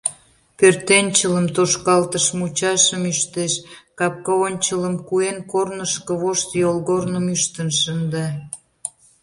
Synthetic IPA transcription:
pørt̪enʲt͡ɕələmt̪oʃkɑlt̪əʃmut͡ɕɑʃəmyʃt̪eʃkɑp̚kɑonʲt͡ɕələmkuenkornəʃkəβoʃt̪jolɣornəmyʃt̪ənʃənd̪ɑ

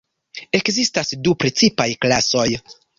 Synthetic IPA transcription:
e̞kzistasdupɾet͡sipajklaso̞j

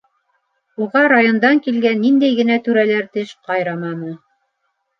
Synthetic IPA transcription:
uʁɑɾajond̪ɑŋkilɡænːind̪æjɡɘ̆næt̪ʉɾælæɾt̪ɘʃqɑjɾɑmɑnɤ

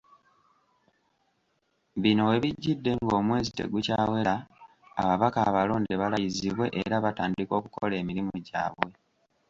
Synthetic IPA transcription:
βino̞we̞βiɟːidːe̞ŋɡo̞ːmwe̞ːzite̞̰ɡucaːwe̞ɾa | a̰βaβakaβaloːndeβalajiziβwe̞ʔeɾaβataːndiko̞ːkuko̞̰le̞ːmiɾimuɟa̰ːβwe̞

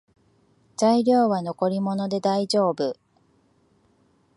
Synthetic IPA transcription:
zaiɾʲo̞ːβano̞ko̞ɾʲimo̞no̞d̪e̞d̪aiʑo̞ːbɯ̟

